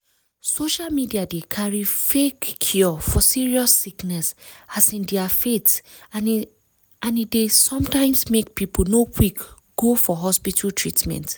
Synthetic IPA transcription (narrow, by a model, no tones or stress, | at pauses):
soʃalmidiadekʰaɹifekʰːjɔfɔsiɹiɔsːiknɛsasĩndɛafet | ãnidesɔ̃mtãɪ̃msmek̚pipʰol̩nokʰwik | ɡ̥ofɔɦɔspitʰaltʰɹitmɛ̰̃nt